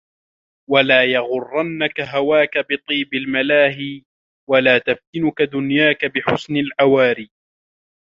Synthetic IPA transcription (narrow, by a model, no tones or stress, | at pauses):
walaːjɑɣʊrˤːɑnːakaɦawaːkabɪt̪ˤiːbɪlmalaːɦiː | walaːt̪aft̪ɪnʊkad̪ʊnjaːkabɪħʊsnalʕawaːɾiː